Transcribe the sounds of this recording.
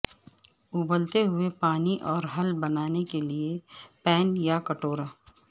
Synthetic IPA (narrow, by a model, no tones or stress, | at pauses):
ʊbəlt̪eɦʊepaːniʔɔːɾɦɐlbɐnaːnekeliepɛːnjakɐʈoːɾaː